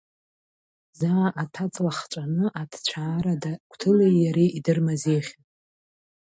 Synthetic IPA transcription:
zaːʔatʰat͡sʼlaχt͡ʃʷʼanɨʔadʰt͡ɕʷʰaːɾadakʷʰʼtʰɨlejjaɾeʔidɨrmazeχʲ

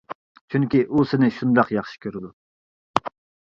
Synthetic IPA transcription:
t͡ʃʰyŋkʲiʔusɪnɪʃund̪ɑqjɑχʃi̥kʲʰøɾɪd̪u

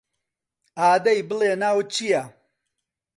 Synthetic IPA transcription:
aːd̪ɐjbɨlenaːwt͡ʃija

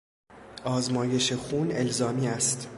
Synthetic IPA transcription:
ɒːzmɒːje̞ʃe̞xuːne̞lzɒːmiːæst̪

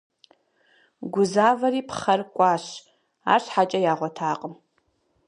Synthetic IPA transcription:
ɡʷʊzaːvɐɾiːpχɐrkʷʼɑːɕ | a̰ːɕħat͡ʃʼɐjaːʁʷɔtʰaːqʼəm

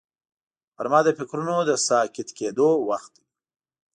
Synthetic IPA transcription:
pəɾmɑd̪əfɪkɾunod̪əsɑkɪt̪ked̪owaxt̪̚d̪i

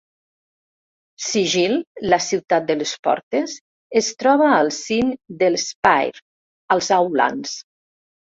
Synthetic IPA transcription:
siʒillasiwt̪at̪̚d̪əlespɔ̰ɾt̪ez | est̪ɾɔβaːlˠsind̪əlespajɾ | alˠzawla̰ns

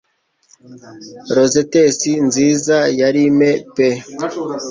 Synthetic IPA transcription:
ɾo̞zetesinziːzajaɾimepe

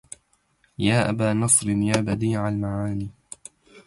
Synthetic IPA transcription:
jaːʔa̰baːnɑsˤɾɪnjaːbad̪iːʕalmaʕaːniː

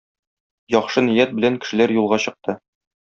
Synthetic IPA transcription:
jɒχʃɤnijæt̪̚bɘ̆læŋkɘ̆ʃɘ̆læɾjulˠʁɑɕɤ̆q̚t̪ɤ

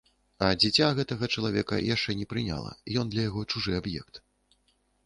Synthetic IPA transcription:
ɐd͡zʲit͡sʲaɣɛt̪ɐɣɐt͡ʂɐlˠavʲɛkɐ̰jaʂt͡ʂɛnʲɛpɾɨnʲa̰lˠɐ̰ijɔnd̪lʲɐjaɣɔt͡ʂuʐɨabjɛ̰kt̪

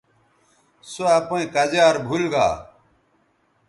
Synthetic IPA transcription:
soɐpoĩkɐd͡ʑaːɾbʱulɡa̰ː

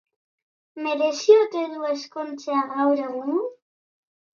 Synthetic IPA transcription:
me̞ɾe̞siot̪e̞ðuesko̞nt͡seaɣawɾe̞ɣun

